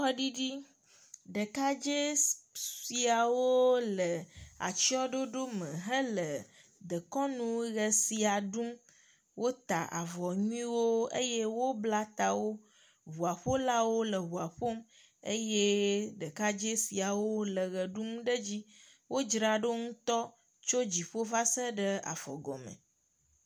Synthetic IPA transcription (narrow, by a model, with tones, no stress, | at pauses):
ɔ˦ɖi˦ɖi˦ | ɖə˨ka˦d͡ʒe˦si˨a˨wo˦lə˨a̰˨t͡ɕi˦ɔ˦ɖo˦ɖo˦mə̃˨ɦə˦lə˨ | d̪ə˨kɔ˦nũ˦ɣə˨si˨a˨ɖu˦m | wo˦t̪a̰˨ʔa̰˨vɔ˨ɲũ˦ĩ˦wo˦ḛ˦je˦wo˦bla˦t̪a˨wo˦ | ɦu˨a˨ɸo˦la˦wo˦lə˨βu˨a˨ɸo˦m | ḛ˦je˦ɖə˨ka˦d͡ʒe˦si˨a˨wo˦lə˨ɣə˨ɖu˦mɖə˦d͡ʑi˦ | wo˦d͡ʒɾa˨ɖo˦ŋũ˦t̪ɔ˦ | t͡ʃo˦d͡ʑi˨ɸo˦va˦sə˦ɖə˦a̰˨fɔ̰˨ɡɔ̰˨mə̰̃˨